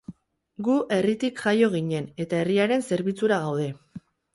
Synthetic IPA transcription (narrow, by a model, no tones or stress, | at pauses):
ɡuʔe̞rit̪ikʝajo̞ɣ̞iɲe̞ne̞t̪ae̞riaɾe̞nse̞ɾβit͡suɾaɣawðe̞